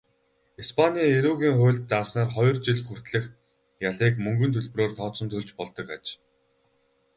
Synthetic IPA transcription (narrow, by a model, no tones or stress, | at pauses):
ispʰanʲiːeɾuːɣʲiːŋχʊːɮt̪̚t͡saːsnaːrχɔj̆rt͡ɕiɮxur̥t̪ɮɘ̆x | jaɮiːkmɵŋɡɵ̆nt̪ʰɵɮp̆roːrt̪ʰɔːsɞ̆nt̪ʰɵɮt͡ɕpɔɮt̪ɞ̆kat͡ɕ